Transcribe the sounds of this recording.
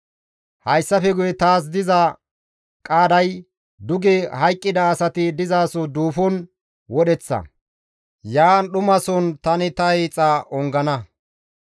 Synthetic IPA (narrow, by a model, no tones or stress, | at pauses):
hɐjsːɐfɛɡʊjɛt̪aːs̬d̪ɪzɐ | kʼaːd̪ɐj | d̪ʊɡɛhɐjkʼːɪd̪ɐːsɐt̪ɪd̪ɪzaːsɔd̪uːfɔn | wɔɗɛt͡sːɐ̰ | jaːnɗʊmɐsɔnt̪ɐnɪt̪ɐhit͡sʼaʔɔŋɡɐnɐ